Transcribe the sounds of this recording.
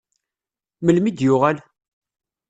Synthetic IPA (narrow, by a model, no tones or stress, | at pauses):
məlmid̪jʊʁæl